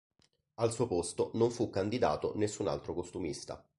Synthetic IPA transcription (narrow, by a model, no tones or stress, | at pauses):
alsuːopost̪onoɱfukːand̪id̪a̰ːt̪o̰nesːuna̰lt̪ɾokost̪umist̪a̰